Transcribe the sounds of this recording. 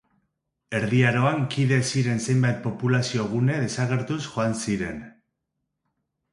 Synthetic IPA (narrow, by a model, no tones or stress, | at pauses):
e̞ɾðiaɾo̞aŋkiðe̞siɾe̞nse̞jmbajt̪̚po̞pulasio̞ɣ̞une̞ð̞e̞saɣ̞e̞ɾt̪usxo̞ansiɾe̞n